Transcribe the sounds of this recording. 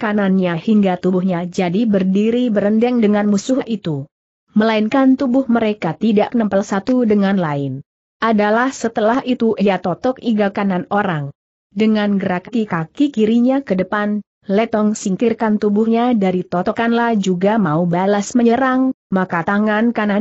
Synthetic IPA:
kananɲahiŋɡat̪ubʊhɲad͡ʒadibərdiɾibəɾəndɛŋdəŋanmusʊɦaʔit̪u | məlainkant̪ubʊhməɾekat̪idaʔkənəmpalsat̪udəŋanlaɪn | ʔadalahsət̪əlahit̪uʔijat̪ɔt̪ɔkiɡakananoɾaŋ | dəŋanɡəɾakak̪ikakikiɾiɲakədəpan | lɛt̪ɔŋsiŋkɪrkant̪ubʊhɲadaɾit̪ɔt̪ɔkanlahd͡ʒuɡamaubalasməɲəɾaŋmakat̪aŋankana

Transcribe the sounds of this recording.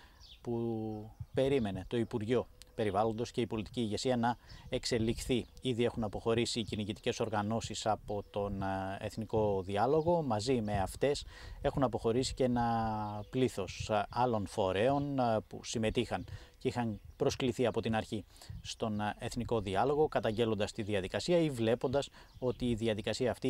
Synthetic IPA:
pu | pe̞ɾime̞ne̞t̪o̞ipuɾʝo̞pe̞ɾivɐlo̞nd̪o̞sce̞ipo̞lit̪i̥ciːʝe̞siɐnɐe̞kse̞lixθiiðie̞xunɐpo̞xo̞ɾisiːciniʝit̪i̥ce̞so̞ɾɣɐno̞sisɐpo̞t̪o̞ne̞̰θniko̞ðiɐlo̞ɣo̞mɐzime̞ɐft̪e̞se̞xunɐpo̞xo̞ɾisi̥ce̞nɐpliθo̞sɐlo̞nfo̞ɾe̞o̞npṵsime̞t̪ixɐnceixɐnpɾo̞skliθiɐpo̞t̪inɐɾçi | st̪o̞ne̞θniko̞ðiɐlo̞ɣo̞kɐt̪ɐɲɟe̞lo̞nd̪ɐst̪iðiɐðikɐsiɐivle̞po̞nd̪ɐs | o̞t̪iːðiɐðikɐsiɐːft̪i

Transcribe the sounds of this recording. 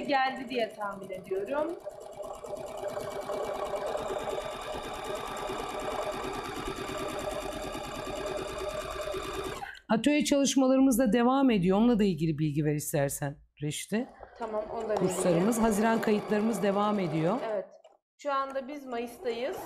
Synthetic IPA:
ɟælʲd̪id̪ijɛt̪ʰaːminʲe̞d̪ijo̞ɾum | at̪ʰø̞jɛt͡ʃʰalˠɯʃmalˠaɾɯmɯzd̪ad̪e̞vaːme̞d̪ijoonˠad̪ˠailʲɟilʲibilʲɟiveɾist̪ʰæɾsæn | ɾɛʃt̪ɪt̪ʰamamonlˠakuslˠaɾɯmɯzɦaziɾankʰajɯt̪ʰlˠaɾɯmɯzd̪e̞vaːme̞d̪ijoevɛt̪ | ʃoand̪abizmajɯst̪ajɯz̥

